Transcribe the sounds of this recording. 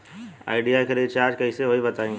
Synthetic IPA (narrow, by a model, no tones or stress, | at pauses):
a̰ːɪɖijakɐɾid̪t͡ʃaːɾd͡ʒkɐiseʋoɦibɐt̪aːĩ